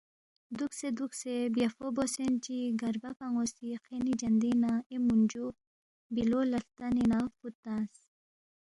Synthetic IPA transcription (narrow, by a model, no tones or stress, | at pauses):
d̪uksed̪uksebjafobosent͡ʃiɡaɾbapaŋosiqenid͡ʒɐnd̪inaemund͡ʒu | bilolalt̪aninafut̪as